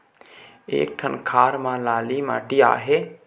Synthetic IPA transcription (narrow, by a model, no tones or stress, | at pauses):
ḛːk̚ʈʰənkʰaːɾmãlaːlima̰ːʈia̰ːɦe